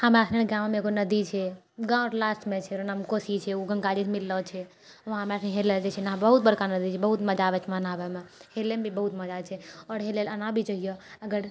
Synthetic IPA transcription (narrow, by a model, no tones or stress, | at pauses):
hamasʰneɡãmmeeɡonəd̪it͡ʃʰɛ | ɡãɔɾlasʈmet͡ʃʰɛɾənamkosit͡ʃʰɛuɡə̃ŋɡad͡ʒisʰmilːɔt͡ʃʰɛ | oɦamasʰneɦelɛd͡ʒet͡ʃʰɛnaɦbəɦut̪̚bəɾkanəd̪it͡ʃʰɛbəɦut̪məd͡ʒaʋɛt͡ʃʰmənabemehelemebʱibəɦut̪məd͡ʒat͡ʃʰɛɔːɾɦelelənãbʱit͡ʃəɦijɔəɡəɾ